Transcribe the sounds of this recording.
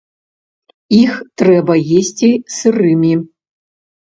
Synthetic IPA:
ixt̪ɾɛbɐjesʲt͡sʲisɨrɨmʲi

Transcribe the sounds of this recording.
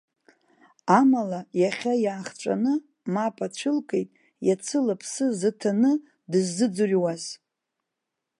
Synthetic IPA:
amalajaχʲajaːχt͡ʃʷʼa̰nɨ | mapʰʼat͡ʃʷʰɨlkʼejtʼ | jat͡sʰɨlapʰsɨzɨtʰanɨ | dɨzːɨd͡zurʲwaz̥

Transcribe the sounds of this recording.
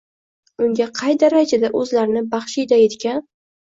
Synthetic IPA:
ʊŋɡʲaqʰɑjd̪aɾad͡ʒad̪aʔɵzlaɾɪnɪbɑχʃijd̪ajet̪kʲan

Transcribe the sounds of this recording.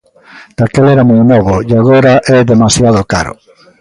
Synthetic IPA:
d̪̥akelɛɾamɔjnɔβojaɣoɾaʔɛðemasjað̞oka̰ɾʊ̰

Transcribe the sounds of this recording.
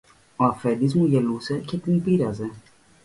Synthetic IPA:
o̞ɐfe̞d̪izmuʝe̞luse̞ce̞t̪inpiɾɐze̞

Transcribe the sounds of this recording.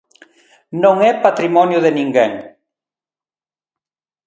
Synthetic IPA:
nõŋɛpat̪ɾimɔnjʊðenĩŋɡeŋ

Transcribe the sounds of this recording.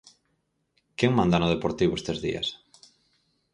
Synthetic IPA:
keŋmãnd̪anʊð̞epoɾt̪iβʊest̪ezðḭɐ̰s

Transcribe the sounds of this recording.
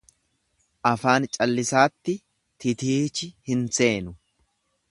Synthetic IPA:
ʔɐfaːnt͡ʃʼɐlːɪsaːt̪ːɪ | t̪ɪt̪iːt͡ʃɪhɪnse̞ːnʊ

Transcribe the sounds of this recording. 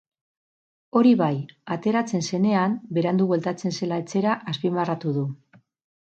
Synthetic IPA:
o̞ɾiβajat̪e̞ɾat͡se̞nse̞ne̞ambe̞ɾand̪uβwe̞lt̪at͡se̞nse̞lae̞t͡se̞ɾaʔaspimarat̪uðu

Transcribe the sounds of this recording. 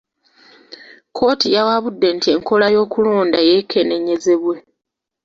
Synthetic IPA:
kʰo̞ːtijawaβudːe̞ntie̞ŋko̞lajo̞ːkulo̞ːndaje̞kʰe̞ne̞ɲe̞ze̞βwe̞

